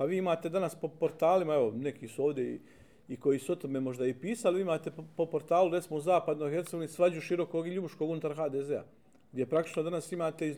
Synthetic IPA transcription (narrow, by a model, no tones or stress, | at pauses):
paʋiːimaːt̪e̞d̪anaspo̞po̞ɾt̪aːlimae̞ʋo̞ne̞kisuo̞ːʋd̪ʲje̞ḭ | iko̞jisuo̞t̪ome̞mo̞ʒd̪aipiːsaliʋiːimaːt̪e̞popo̞ɾt̪aːluɾet̪simouzaːpad̪no̞jxe̞ɾt̪seɡoʋeinisʋad͡ʑuʃiɾo̞ko̞ɡiʎubuʃko̞ːɡunut̪aɾxaːd̪eːzea̰ | ɡd̪ʲje̞pɾakt̪i̥t͡ʃnod̪anasimaːt̪e̞i